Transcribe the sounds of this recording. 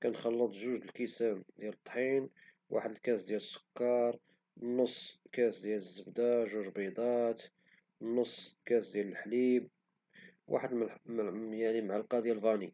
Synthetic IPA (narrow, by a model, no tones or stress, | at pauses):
kænxɑlːət̪ˤʒuʒd̪əlkəsæmd̪jælət̪ˤːħin | wʔa̰ħəd̪əlkæsd̪jæləsːʊ̥kːɑɾˤ | nːosˤːkæsd̪jæləzːəbd̪aʒuʒlbid̪ˤɑt̪ | nːʊsˤːkæsd̪jæləlħlib | wʔa̰ħəd̪mmjaʕnimʕalqɑd̪jælbɑni